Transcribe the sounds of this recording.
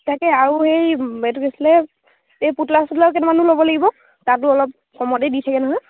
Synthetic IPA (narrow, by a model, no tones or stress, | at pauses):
tʰakɛaɹuxejetukesilɛ | ejputlasɔdlak̬ɛnɛmanulobɔlaɡibɔ | tat̬ʊɔlɔp̚ | kɔmɔtejditʰakɛnɔɦɔj